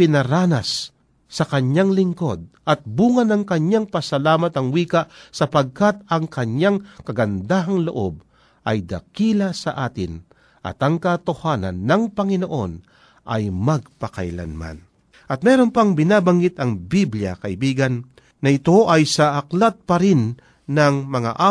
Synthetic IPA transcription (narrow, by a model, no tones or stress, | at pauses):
pɪnɐɾaːnɐsː | ɐkɐɲaŋlɪŋko̞d̪̚ʔɐt̪̚buːŋɐnɐŋkɐɲːaŋpɐsɐlaːmɐt̪ɐŋwiːkɐʔsɐpɐɡ̚kat̪̚ɐŋkɐɲːaŋkɐɡɐnd̪aːɦɐŋloʔo̞̰b̚ | ʔɐjd̪ɐ̰kiːlɐsɐʔaːt̪ɪ̰n | ʔɐ̰t̪ɐŋkɐt̪ohaːnɐ̰nːɐŋpɐŋɪnoʔo̞̰n | ʔɐ̰jmɐɡ̚pɐkɐ̰jla̰nma̰n | ʔɐt̪̚mɛːɾonpɐŋbɪnaːbɐŋɡɪt̪ɐŋbibljɐ̰kɐʔɪbiːɡɐnː | ɐɪt̪o̞ʔɐjsɐʔɐklat̪̚pɐɾɪnː | ɐŋmɐŋa̰ʔa